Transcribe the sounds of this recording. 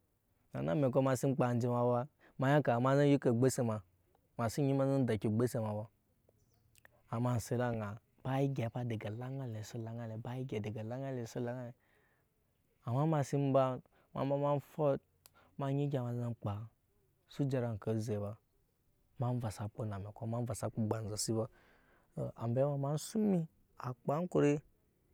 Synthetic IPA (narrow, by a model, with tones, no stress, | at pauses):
na˨na˦me˨k̬o˦ma˧˨si˦m˦k͡pa˧n˦d͡ʒi˧ma˧ba˧ | ma˧ja˦ka˨ma˦za˦ji˦ke˨ɡ͡be˦se˧ma˨ | ma˨si˦ɲi˦ma˦za˦da˨kʲi˨ɡ͡be˦se˧ma˨ba˧ | a˨ma˦n̩˨se˨la˦ŋa˨ | b̥a˦ji˦ɡʲa˨˦pa˦˧de˨ɡa˨la˦ŋa˦le˨su˦la˨ŋa˦le˨ba˦ji˦ɡʲa˨de˨ɡa˨la˦ŋa˦le˨su˦la˨ŋa˦le˨ | a˨ma˦ma˧si˦m˦ba˦ | ma̰˨mba˦ma˦n˦fɔ˦t̚ | ma˧ɲi˦ɡʲa˨ma˨za˧˦k͡pa˨ | su˦d͡ʒa˧ɾa˨ŋ˨kə˨ze˨ba˨ | ma˨˦n˦va˨sa˨k͡po˦na˨me˨kʷa˦ma˦n˦va˨sa˨˦k͡po˦ɡ͡ba˨n˨za˨si˦ba˦˨ | a˨m˨be˦ma˨˦ma˦n̩˦su˦mi˦ | a˨k͡pa˦ŋ˦ko˨ɾe˦